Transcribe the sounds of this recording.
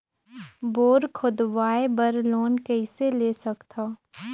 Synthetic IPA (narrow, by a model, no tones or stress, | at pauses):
boːɾkʰod̪ʋaːebəɾloːnkəɪseleːsəkt̪ʰaː